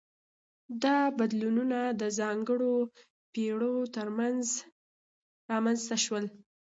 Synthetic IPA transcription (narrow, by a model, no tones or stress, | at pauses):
d̪ɑbad̪lununad̪əzɑŋɡəɽo | peɽot̪əɾmanz | ɾɑmanzt̪aʃwəl